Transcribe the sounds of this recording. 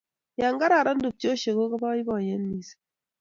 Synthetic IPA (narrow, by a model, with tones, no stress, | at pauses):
ja˨ŋɡa˦ɾa˨ɾa˦ndu˨p̚t͡ʃo˦ʃe˨ko˦ka˦ba˦i˦bɔ˨ɲe˦nːi˨se̥˨